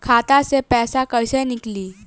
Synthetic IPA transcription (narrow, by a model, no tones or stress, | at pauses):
kʰaːt̪asepɛːsakəjsenɪkliː